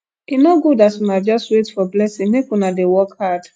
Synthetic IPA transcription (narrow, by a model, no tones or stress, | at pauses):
inoɡudasunad͡ʒɔstwetfɔblɛsĩŋmekunadewɔkhad̥